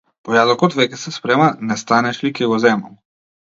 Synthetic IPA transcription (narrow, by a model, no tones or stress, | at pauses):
pɔjad̪ɔkɔt̪vɛkʲɛsɛspɾɛmanɛst̪anɛʃlikɛɡɔzɛmam